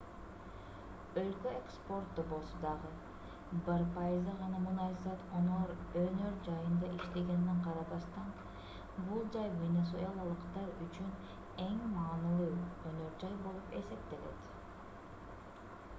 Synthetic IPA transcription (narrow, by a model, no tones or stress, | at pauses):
ø̞lkøekspo̞rt̪ːobo̞lˠsod̪ɑʁɯ | bɑɾpɑjizɑʁɑnɑmunɑjʲzɑt̪onɑɾønø̞ɾd͡ʒɑjɯnd̪ɑʔiʃt̪eɡe̞nːiɴqʰɑɾɑβɑst̪ɑn | bulˠd͡ʒɑjvʲenes̬oɑlˠɑlˠɯqt̪ɑɾyt͡ʃyn | e̞ŋmɑːnɯlˠɯːønøɾd͡ʒɑjbo̞lˠupe̞̰se̞p̚t̪e̞le̞̰t̪